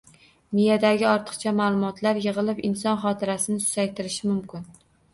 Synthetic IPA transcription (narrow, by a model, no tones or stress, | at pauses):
mijad̪aɡʲɪɒɾt̪ʰɨ̥qt͡ʃʰamalˠʊmɒt̪ʰlaɾjɨʁɨlˠɪpɪnsɒnχɒt̪ʰɪɾasɪnɪsʊ̥zajt̪ʰɪɾɪʃɪmʊmkʲɪn